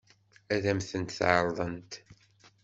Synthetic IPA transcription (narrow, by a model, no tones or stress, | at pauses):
æðæmθənt̪θʕəɾˤðˤənt̪